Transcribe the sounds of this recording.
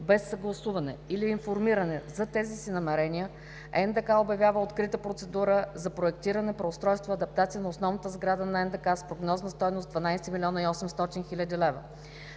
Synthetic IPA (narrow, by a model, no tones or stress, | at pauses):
bɛsːɐɡlˠɐsuvɐnɛiliːnfoɾmiɾɐnɛzɐt̪ɛzisinɐmɛɾɛnʲiə | ɛnd̪ɛkaobjɐvʲjavəot̪kɾit̪əpɾot̪sɛd̪uɾəzɐpɾoɛk̚t̪iɾənɛpɾɛʊst̪ɾɔjst̪voɐd̪ɐp̚t̪at̪sijənɐosnɔvnət̪əzɡɾad̪ənɐɛnd̪ɛkaspɾoɡnɔznəst̪ɔjnozd̪vɐnajsɛmilʲiɔnəiɔsɛmst̪ɔt̪inxilʲəd̪ilɛvə